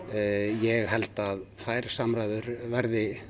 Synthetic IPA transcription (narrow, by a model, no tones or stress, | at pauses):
jɛɣɦɛlt̪aðfaːjɾ̥samɾajðʏɾvɛɾðɪ